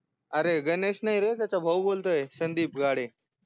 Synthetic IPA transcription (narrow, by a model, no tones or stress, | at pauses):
aɾeɡənesnajɾet̪jat͡ɕabʱəwbolt̪oesənd̪iːp̚ɡaɽe